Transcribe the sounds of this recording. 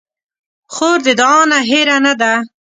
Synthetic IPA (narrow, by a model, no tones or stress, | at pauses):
xoːɾd̪ed̪ɑːnaɦeɾanad̪a